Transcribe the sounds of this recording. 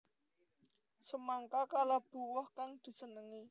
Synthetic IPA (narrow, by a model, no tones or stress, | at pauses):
səmaŋkakalab̥ṳwɔhkaŋd̪̥i̤sənəŋi